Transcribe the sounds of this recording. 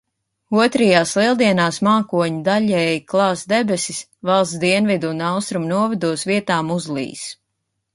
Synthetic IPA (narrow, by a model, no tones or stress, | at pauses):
uɔt̪ɾɛjaːslˠilˠd̪iɛnaːsmaːkuɔɲid̪aʎʲɛːjklˠɑːsd̪ɛbɛsi̥s | vɑlˠsd̪iɛnvid̪unawst̪ɾumnuɔvɛd̪uɔsviɛt̪aːmuzlˠḭːs